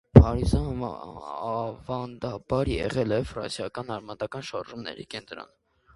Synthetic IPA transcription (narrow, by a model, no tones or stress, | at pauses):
pʰɑɾizɑ | vɑnd̪ɑbɑɾjɛ̰ʁɛlɛfrɑ̰nsjɑkɑnɑɾmɑt̪ɑkɑnʃɑɾʒumnɛ̰ɾḭkɛnt̪ɾɔ̰n